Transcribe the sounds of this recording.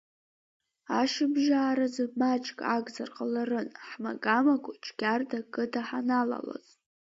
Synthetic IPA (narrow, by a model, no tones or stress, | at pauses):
aʃɨbʒaːɾazɨmat͡ʃʼkʼaɡʼzarqʼalarɨnħmaɡʼamakʷʊʈ͡ʂʼʰɡʲardakʼɨtʰaħanala̰la̰z